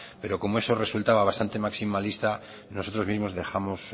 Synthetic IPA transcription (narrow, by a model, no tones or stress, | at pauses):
pe̞ɾo̞ko̞moe̞so̞re̞sult̪aβaβast̪ant̪e̞maksimalist̪a | no̞so̞t̪ɾo̞zmizmo̞zðe̞xamo̞s